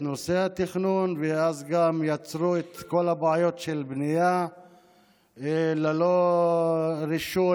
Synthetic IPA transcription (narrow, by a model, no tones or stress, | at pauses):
nosehat̪iχnunveazɡamjat͡sɾuet̪ko̞labajo̞t̪ʃelbnija | lelo | ɾiʃu